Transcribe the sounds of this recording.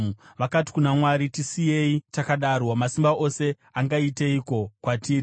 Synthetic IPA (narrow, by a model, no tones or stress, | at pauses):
uʋakati̥kunamwaɾitisije̞itakaɗarwamasimbaʔo̞se̞ | aŋɡaiteiko̞kwatiːri